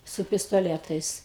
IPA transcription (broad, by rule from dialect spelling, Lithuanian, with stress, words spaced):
sʊ pʲɪstoːˈlʲæːtɐɪs